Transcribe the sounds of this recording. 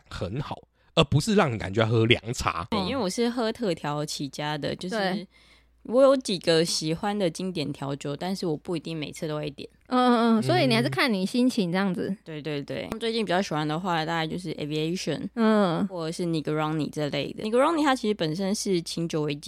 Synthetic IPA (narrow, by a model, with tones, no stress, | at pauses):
xə˨˦nxɑ˨˩˦ʊ | ə˧˥pu˧˦ʂɻ̩˥˧lɑ˥˩ŋni˨ka˨nt͡ɕe˧˥a˥˩xɤ˧˦˥lja̰˧˥ŋt͡sʰa̰˧˥˧i˥we˥˩ɪwɔ˨˩ʂɻ̩˥˨xɤ˥t̪ʰɤ˥˩t̪ʰjɑ˧˥ʊt͡ɕʰi˨˥˩t͡ɕja˥d̪ə̰˨t͡ɕjo˥˧ʊʂ̩˥˩ | wɔ˨˧˥jo˧˥ʊt͡ɕi˨˩ɡə˩ɕi˨˩xwa˦nd̪ə˨t͡ɕi˥ŋt̪jɛ˨˩nt̪ʰjɑ˧˥ʊt͡ɕjo˥˩˦ʊt̪a˥˧nʂɻ̩˥˩wɔ˨˩pu˥˩i˧t̪i˥˩ŋme˨˩ɪt͡sʰɤ˥˩t̪o˥e˥˩t̪jɛ̰˨˩nɔ˥˧˥swɔ˧˥i˨˧ni˨˩a˧˥ʂkʰa˥˩nni˨˩ɕi˥nt͡ɕʰi˧˥ŋʈ͡ʂɤ˥˧jɑ˥˩ŋd͡zɨ˨˩t̪we˥˧ɪt̪we˥˧ɪt̪wḛ˥˩ɪ˥t͡swe˥˧t͡ɕi˥˩npi˨t͡ɕjɑ˥˩ʊɕi˨˩xwa˥nd̪ə˨xwa˥˩˧t̪a˥˧ka˥˧t͡ɕjo˥˧ʊʂɻ̩˥˩ʔe˨˩vi˨e˦˥ɪʂə̰˨˩n̩˥˩wɔ˥˩ə˨˩ʂɻ̩˥˩ni˨˩ɡə˧ɹɑ˥ŋnḭ˨˩ʈ͡ʂə˥˧lḛ˥˩ɪd̪ə̰˩˨i˨˧ɡə˧ɹɑ˥ŋni˨t̪ʰa˦˥t͡ɕʰi˧˥ʂɻ̩˧˥pə˨˩nʂə˦˥nʂɻ̩˥˩t͡ɕʰi˧˥ŋt͡ɕjo˨˧˦we˧˥ɪt͡ɕi˨˩